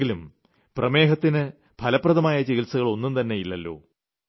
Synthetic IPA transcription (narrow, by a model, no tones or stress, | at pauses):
ɡilum | prɐme̞ːɦɐt̪ːinɨ | pʰɐlɐpːrɐðɐmaːjɐt͡ɕeɣilsɐɣɐɭo̞nːumnt̪ɐnːe̞jilːɐlːo̞̰ː